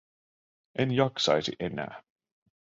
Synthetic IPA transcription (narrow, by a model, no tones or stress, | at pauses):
ʔenjɑksɑjsiʔenæ̰ː